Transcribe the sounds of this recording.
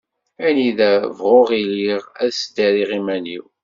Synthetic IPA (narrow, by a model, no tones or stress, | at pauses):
æniðævʁoʁiliʁæðsd̪æɾiʁimæniw